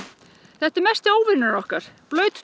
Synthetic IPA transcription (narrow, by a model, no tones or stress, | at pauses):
θɛht̪ɛɾmɛst̪ɪoːwvɪɾnɪnɔhkaɾ̥plœːɥt̪